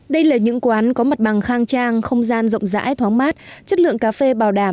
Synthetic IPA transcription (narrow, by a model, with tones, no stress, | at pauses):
ɗə˧jlaː˨˩ɲɨ̰˧˥ŋkwaː˨˦nkɔ˨˦mə˨˩t̚ɓa˨˩ŋxaː˧ŋt͡ɕaː˧ŋxə˧wŋ͡mzaː˧nzə̰˧˨wŋ͡mza̰ː˧˥jt̪ʰwaː˨˦ŋmaː˦˥t̚t͡ɕə˦˥t̚lɨ̰˧˨əŋkaː˨˧˦fe˧ɓaː˨˩wɗaː˧˩m